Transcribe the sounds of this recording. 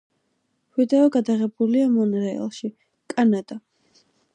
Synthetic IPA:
vid̪ɛɔɡad̪aʁɛbuliamɔnɾɛɛ̰lˠʃi | kʼanad̪̥a

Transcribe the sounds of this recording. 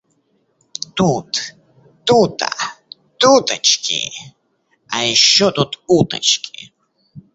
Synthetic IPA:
t̪ut̪ | t̪ut̪a̰ | t̪ut̪at͡ʃkḭ | ʔajʃot̪ʼut̪ut̪a̰t͡ʃki

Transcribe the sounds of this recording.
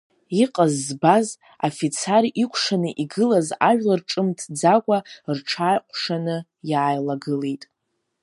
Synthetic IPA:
iqʼazːbaz | afit͡sʰaɾʔikʷʰʂanɨʔiɡɨlazaʒᶣlarʈ͡ʂʼɨmtʰd͡zakʷʼarʈ͡ʂʰaːjqʷʰʼʂanɨ | jaːjlaɡɨlejtʼ

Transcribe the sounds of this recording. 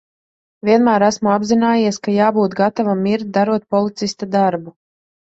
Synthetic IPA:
vʲiɛnmæːɾæsmuabzinaːjiɛskajaːbuːt̪ɡat̪avamːiɾt̪̚d̪aɾuɔt̪̚pɔlˠit̪sist̪ad̪aɾbu

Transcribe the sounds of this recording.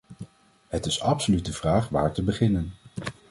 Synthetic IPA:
ɦətɪsɑpsolytəv̥raːχʋa̰ːɹtəbəχɪnən

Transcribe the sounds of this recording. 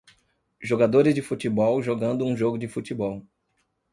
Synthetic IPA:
ʒoɡad̪oɾɪzd͡ʒɪfut͡ʃibɔwʒoɡɐ̃nd̪ʊũʒoɡʊd͡ʒɪfut͡ʃibɔw

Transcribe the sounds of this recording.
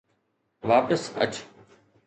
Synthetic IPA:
ʋaːpəsə̰t͡ʃ

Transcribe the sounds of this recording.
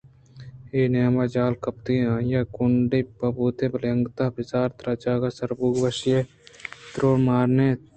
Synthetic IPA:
eːneːmad͡ʒaːlkɐp̚t̪iãːjakʊɳɖipɐbuːt̪ebɐlɐŋɡt̪abɪsaːɾt̪ɾɐd͡ʒaːɡasɐɾbuːɡʋɐʃje | t̪ɾoːɽmaːɾne

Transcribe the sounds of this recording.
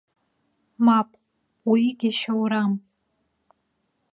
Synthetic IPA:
mapʼ | wiɡʲaʃawɾam

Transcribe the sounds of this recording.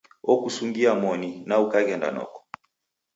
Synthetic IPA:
ɔkusuŋɡiamɔninaukakɛnda̰nɔ̰kɔ̥

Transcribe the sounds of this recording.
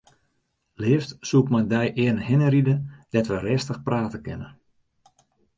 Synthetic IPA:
lɪːftsuəkmandɛjʔɪənhɪnəɾidəd̥ɛtʋərɪːstəxpraːtəkɪnə

